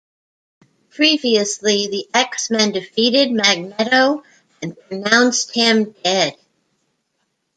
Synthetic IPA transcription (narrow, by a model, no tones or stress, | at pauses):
pʰɹ̥iviɨsliðiʔɛksmɨ̃ndɨfiɾɪd̚mæɡ̚nɛɾoʊ̃ | npʰɹ̥ɨnãʊ̃nst̚hɪ̃mdɛd̥